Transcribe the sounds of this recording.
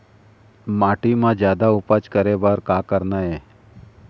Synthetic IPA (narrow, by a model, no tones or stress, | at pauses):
maːʈimãd͡ʒjaːd̪aʊpat͡ʃkəɾebaɾkakəɾnae